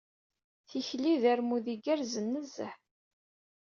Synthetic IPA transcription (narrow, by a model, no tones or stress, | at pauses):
θiçliðæɾmuðiɡæɾzənːəzə̰ħ